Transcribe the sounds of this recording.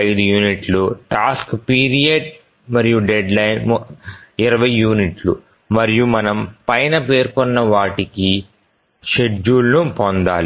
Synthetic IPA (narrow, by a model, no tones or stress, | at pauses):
ɐjd̪ujuːniʈluʈaːskpiːɾijɐɖ | mɐɾijuɖeɖlɐjnm | iɾɐʋɐjːuːniʈlu | mɐɾijumɐnɐmpɐjnɐpe̞ːɾkɔnːɐʋaːʈiki | ʃe̞uːlnupond̪a̰ːli